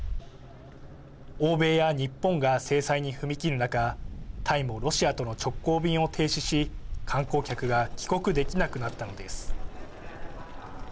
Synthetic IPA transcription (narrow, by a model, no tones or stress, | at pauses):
o̞ːbe̞ːjaɲ̟ipːõ̞ŋɡase̞ːsaiɲ̟iɸɯ̟mʲikʲiɾɯ̟nakat̪ʰaimoɾo̞ɕiat̪o̞no̞t͡ɕo̞kːo̞ːbʲĩɰ̃o̞t̪ʰe̞ːɕiɕikʰãŋko̞ːkʲakɯ̟ɡakʲi̥ko̞kɯ̟d̪e̞kʲinakɯ̟nat̪ːano̞d̪e̞sɨ̥